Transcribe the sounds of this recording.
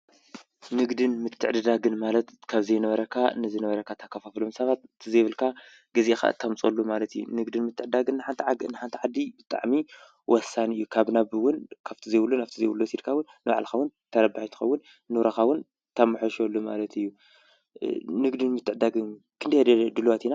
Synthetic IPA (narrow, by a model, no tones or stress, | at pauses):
nɨɡd̪ɨnmɨt̪ʰːɨʕd̪ɨd̪aɡɨnmalɐt̪kʰaβzɐjnɐβɐɾɐkʰaɨ̰nɨzɨnɐβɐɾɐkʰat̪ʰakʰːɐfaflomsɐβat̪ɨt̪ʰizeβɨlkʰa | ɡɐzexa̰t̪ʰːamt͡sʼolːumalɐt̪ɨjːṵnɨɡd̪ɨnmɨt̪ʰːɨʕd̪aɡɨnːħant̪ʰnħant̪ʰiʕad̪ibɨt̪ʼa̰ʕmi | wɔsːanɨjːukʰaβnaβɨwʊnkʰaβt̪ʰizejβɨlːunaft̪ʰizejwulːusid̪kʰawʊnːɨβa̰ʕlxɐwʊnt̪ʰɐɾɐbaħit̪ʰɨ̥xɐ̰wːʊnː | ɨβɾaxawʊn | t̪ʰamːɨħoʃolːoma̰lɐt̪ʰɨjːu | nɨɡd̪ɨnmɨt̪ʰːɨʕd̪aɡɨn | kʰɨnd̪ɐhd̪ɐd̪ɨluwat̪ʰina